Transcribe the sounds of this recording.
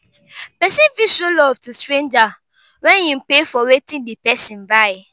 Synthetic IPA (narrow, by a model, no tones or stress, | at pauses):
pɛsĩnviʃolɔvtustɹẽnd͡ʒa | wɛ̃njũpefɔwetĩndepɛsĩnbaɪ